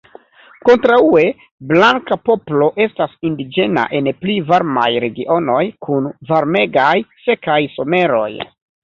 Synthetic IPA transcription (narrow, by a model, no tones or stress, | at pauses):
ko̞ntɾaue̞ | blaŋkapo̞plo̞ʔe̞stasindid͡ʒe̞na̰ʔe̞nplivaɾma̰jɾe̞ɡiʔo̞no̞jkʰunvaɾme̞ɡajse̞kajso̞me̞ɾo̞̰j